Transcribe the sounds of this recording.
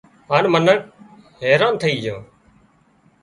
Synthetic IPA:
aːnmənək̚ | ɦeːɾãːnt̪ʰəiːd͡ʒãː

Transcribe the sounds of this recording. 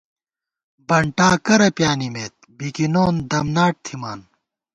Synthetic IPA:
bɐɳʈaːkɐɾɐpjaːnimeːt̪̚ | bikinoːnd̪ɐmnaːʈ̚t̪ʰimaːn

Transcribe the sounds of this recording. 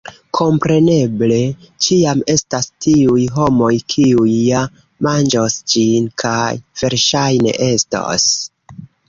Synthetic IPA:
kʰo̞mpɾe̞ne̞ble̞ | t͡ʃiame̞stastʰiujɦo̞mo̞jkʰiujːa | mand͡ʒosd͡ʒinkʰajv̥e̞ɾʃajne̞̰ʔe̞sto̰s

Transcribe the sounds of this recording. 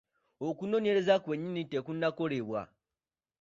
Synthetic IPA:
okuno̞ne̞ɾe̞zakwe̞ɲːinitekunːako̞ɾeβwa̰

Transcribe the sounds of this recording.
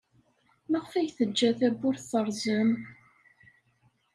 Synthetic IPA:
məʁfæjθəd͡ʒːæθæbːʊɾθθəɾˤzəm

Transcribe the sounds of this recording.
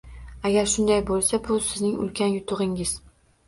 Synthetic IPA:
aɡʲaɾʃʊnd̪ajbolˠsabʊsɪznɪŋʊ̰lˠkʲʰanjʊt̪ʰʊʁɪŋɪz̥

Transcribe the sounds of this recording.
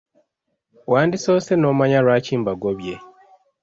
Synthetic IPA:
waːndisoːsenoːmaɲaɾwaːciːmbaɡoβje

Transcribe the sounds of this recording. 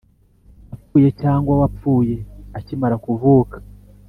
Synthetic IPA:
apuːje̞caːŋɡwawap͡fuːje̞acimaɾakuvuːkḁ

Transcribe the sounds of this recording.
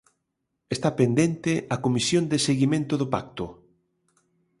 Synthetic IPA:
est̪apend̪ent̪eakomisjond̪eseɣimẽnt̪oðopak̚t̪o

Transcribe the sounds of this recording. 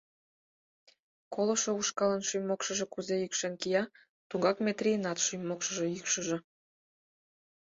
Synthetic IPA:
kolŏʃouʃkɑlənʃyjmokʃə̆ʒe̽kuzeykʃenkijɑ | t̪uŋɡɑkmʲet̪rʲijənɑt̪ʃyjmːokʃə̆ʒĕykʃə̆ʒĕ

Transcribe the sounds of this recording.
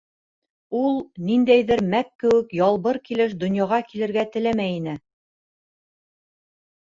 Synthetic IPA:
ulˠnind̪æjðɘɾmækːɘ̆wɘ̆kjɑlˠβɤɾkilɘʃd̪ŏnjɑʁɑkilɘ̆ɾɡæt̪ɘ̆læmæjinɘ

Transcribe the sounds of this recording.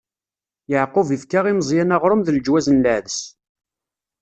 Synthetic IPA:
jəʕqʊvivkaʁiməzˤjænaʁɾˤəmðəld͡ʒwæzənləʕðəs

